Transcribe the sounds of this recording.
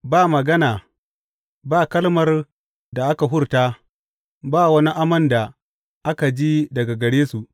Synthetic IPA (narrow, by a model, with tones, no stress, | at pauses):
baː˦˨mɐ˨ɡɐ˦naː˨ | baː˦˨kɐ˦lmɐ˦r | da˨ʔa˦ka˨ɦʊ˦ɽta˦ | baː˦˨wɐ˦ni˦ʔa˦mɐ˦nda˨ | ʔa˦ka˨d͡ʒi˦dɐ˨ɡa˨ɡɐ˨ɽeː˦su˨ʔ